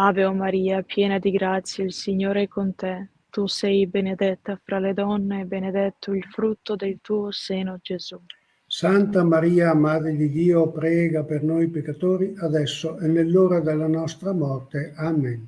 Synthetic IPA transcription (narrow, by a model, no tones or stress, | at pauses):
aːveomaɾiːapjɛːnad̪iɡɾat̪sːjailsiɲːoːɾeɛkːont̪ɛ | t̪usɛjbened̪ɛt̪ːafɾaled̪ɔnːeːbened̪ɛt̪ːoilfɾut̪ːod̪elt̪uːoseːnod͡ʒezu | sant̪amaɾiːamad̪ɾed̪id̪iːopɾɛːɡapeɾnojpekːat̪oːɾiad̪ɛsːoɛnːelːoːɾad̪elanɔst̪ɾamɔrt̪eamen